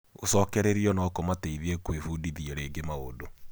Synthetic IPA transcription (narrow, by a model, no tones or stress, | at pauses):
osɔkɛɾeɾiɔnakomateiðiekwefudiðiɛɾeːɡemaodo